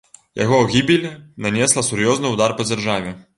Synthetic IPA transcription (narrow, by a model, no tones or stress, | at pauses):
ja̰ɣɔwɣʲibʲilʲɛnanʲɛslˠɐsurjɔznɨwd̪arpɐd͡zʲarʐavʲɛ